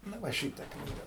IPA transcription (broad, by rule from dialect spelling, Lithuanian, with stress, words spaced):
nʊ ˈʋɐ ˈʃʲiːtɐ ˈknʲiːɡɐ